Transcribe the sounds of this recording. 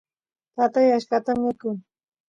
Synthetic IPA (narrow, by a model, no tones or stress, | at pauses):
t̪at̪ajaʃkat̪amɪkʊŋ